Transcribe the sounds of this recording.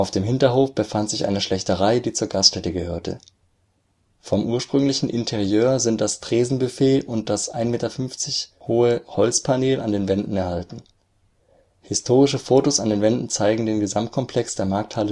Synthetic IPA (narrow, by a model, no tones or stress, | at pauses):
ʔaʊfd̥eːmɦɪntɐɦoːfb̥əfantz̥ɪçʔa̰ɪnəʃlɛçtəʁaɪdiːt͡suːɐɡastʃtɛtəɡəhøːɐtʰə̰ | fɔmʔuːɐʃpʁ̥ʏŋlɪçn̩ʔɪntʰɛʁjøːɐzɪnt̚d̥astʁ̥eːzn̩bəfeːlʊnt̚d̥asʔa̰ɪnmeːtɐfʏnft͡sɪçhoːəhɔlt͡spʰaneːlʔa̰ndeːnvɛndn̩ɛɐhaltn̩ | hɪstʰoːʁ̞ɪʃəfoːtosandeːnvɛndn̩t͡saɪɡŋ̩deːnɡəzamt̚kʰɔmpʰlɛksd̥eːɐmaɐk̚thalə